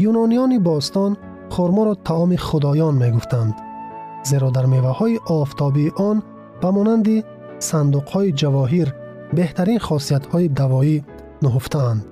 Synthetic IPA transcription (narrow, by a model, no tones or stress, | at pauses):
junɔnijɔnibɔst̪ɔn | χuɾmɔɾɔt̪ʰaɔmiχud̪ɔjɔnme̞ɡuft̪ʰand̪ | ze̞ɾɔd̪aɾmevahɔiʔɔft̪ʰɔbiːʔɔn | b̥amɔnand̪i | sand̪uqhɔid͡ʒavɔɦiɾ | be̞ht̪ʰæɾinχɔsiat̪hɔid̪avɔi | nuɦuft̪ʰaːnd̪